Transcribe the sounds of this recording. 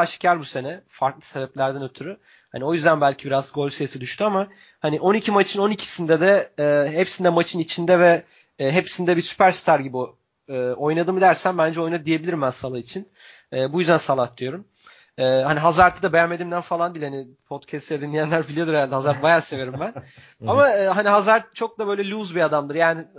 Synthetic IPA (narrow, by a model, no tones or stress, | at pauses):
aʃcʰaɾbuse̞nɛfaɾklˠɯ̥se̞bɛplʲæɾd̪ænø̞t̪ʰyɾy | hanio̞jyzd̪ænbælʲcʰibiɾazɡo̞lʲsejsid̪yʃt̪yama | haniʔo̞nicʰimat͡ʃʰɯno̞nicʰi̥sind̪ɛd̪ɛːɦepsind̪ɛmat͡ʃʰɯnit͡ʃʰind̪ɛvɛː | ɦepsind̪ɛbiɾsy̥pʰæɾst̪ʰaɾɟibi | ɯːo̞jnad̪ɯmɯd̪æɾsænbænd͡ʒɛo̞jnad̪ɯd̪ije̞bilʲiɾimbænsalˠait͡ʃʰin | ɛːbujyzd̪ænsalˠat̪lˠɯjo̞ɾum | ɛːhaniɦazaɾt̪ʰɯd̪abejamːe̞d̪imd̪ænfalˠand̪iːlʲhani | pʰo̞t̪cʰɛst̪jɛd̪inlʲijænlʲæɾbilʲijo̞d̪uɾealʲd̪ɛhazaɾt̪bajaːse̞ve̞ɾimbæn | amaɯːɦaniɦazaɾt̪t͡ʃʰo̞k̚d̪abø̞jlʲɛlʲuzbiad̪amd̪ɯɾjaːni